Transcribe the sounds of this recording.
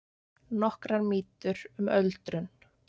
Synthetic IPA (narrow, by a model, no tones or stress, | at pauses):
nɔhkɾaɾmiːt̪ʏɾʏmœlt̪ɾʏn